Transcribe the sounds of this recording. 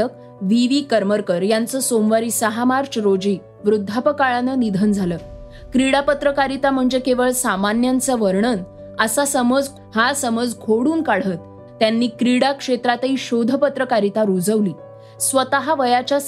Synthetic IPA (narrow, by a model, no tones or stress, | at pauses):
ək̚ | ʋiʋiːkəɾməɾkəɾjant͡səsomʋaɾiːsəɦamaɾt͡ɕɾod͡ʑiː | ʋɾud̪ʱːapəkaɭanənid̪ʱənd͡zʱaləː | kɾiɽapət̪ɾəkaɾit̪am̤əɳd͡zekeʋəɭsamanjant͡səʋəɾɳən | əsasəməd͡z | hasəməd͡zɡʰʱoɽuːnkaɽ̤ət̪ː | janːiːkɾiɽakʂet̪ɾat̪iːɕod̪ʱəpət̪ɾəkaɾit̪aɾud͡zəʋliː | sʋət̪aɦaʋəjat͡ɕja